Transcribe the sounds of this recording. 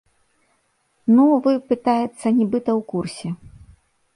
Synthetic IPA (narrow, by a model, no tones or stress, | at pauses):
nuvɨpɨt̪ajɛt̪sːɐnʲɛbɨt̪ɐwkursʲɛ